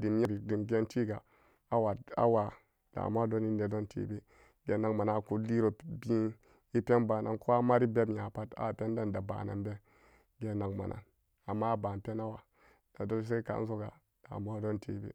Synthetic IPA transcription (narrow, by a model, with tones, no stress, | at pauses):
di˨m˦je˦ɾi˨di˨mɡe˦nti˦ɡa˨ | a˦wa˨a̰˦wa˨ | d̥a̰˨mo˦hdo˦ni˦ne˨do˦ntʰḛ˨be˦ | ɡe˨˦na˨ŋma˨na˨ku˦li˦ɾo˨bi˦ | i˦pʲe˦nba˨na̰˨nko˦a˦ma˦ɾi˦be˦bja˨pa˦ta̰˦˨pe˦n˦da˦nda˨ba̰˨na̰˨nbe˦ | ɡe˨na˨ŋma̰˨nʔa̰˨n | a˨mːa˦˨ba˨n˨pe˦na˦wa˨ | d̥a˨do˦s̬e˦ka̰˨˦n˦so˦ɡa̰˨ | d̥a̰˨mo˦do˦ntʰḛ˨bḛ˦